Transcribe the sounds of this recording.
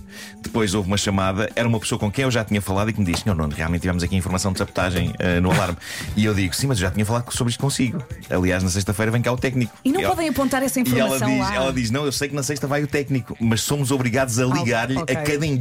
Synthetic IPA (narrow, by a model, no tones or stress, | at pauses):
d̪̥ɨpojzovumɐʃɐmaðɐʔɛɾɐumɐpsoɐkõkɐ̃j̃ewʒat̪iɲɐfɐlˠaðikmd̪iʃsɲoɾno̰nʁia̰lˠẽt̪ivɛmuzɐkĩfuɾmɐsɐ̃w̃d̪sɐβut̪aʒɐ̃j̃ɛ̰nuɐlˠaɾmiewðiɣusĩmɐzewʒat̪iɲɐf̬ɐlˠaðsoβɾiʃt̪̚kõsiɣuɐ̰lˠiaʒnɐsejʃt̪ɐfɐjɾɐvɐ̃kaut̪ɛkniku̥inɐ̃wɛpɔðɐ̃j̃ɐpõnt̪aɾɛsɐĩiuɾɛlmslˠɐ̃iʃɛlˠɐðiʃnɐ̃w̃ewsɐjknɐsɐjʃt̪ɐvajut̪ɛkniku̥mɐʃsomuzɔβɾiɣaðuzɐlˠiɣaɾʎɐkɐðɐ̃